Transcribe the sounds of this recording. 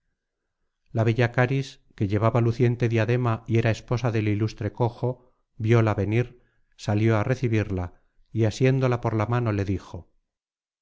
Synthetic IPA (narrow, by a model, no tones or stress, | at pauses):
laβeʎakaɾis | ke̞ʎe̞βaβaluθje̞nt̪e̞ðiaðe̞maie̞ɾae̞spo̞saðe̞lilust̪ɾe̞ko̞xo̞ | bjo̞laβe̞niɾ | saljo̞are̞θiβiɾla | iasje̞nd̪o̞lapo̞ɾlamano̞le̞ðixo̞